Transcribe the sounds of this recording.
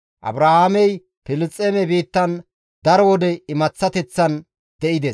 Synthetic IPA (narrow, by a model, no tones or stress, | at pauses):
ʔɐ̰bɾahaːmɛj | pɪlɪt͡sʼːemɛbiːt̪ːɐn | d̪ɐɾɔwɔd̪ɛɪmɐt͡sːɐt̪ɛt͡sːɐn | d̪ɛʔɪd̪es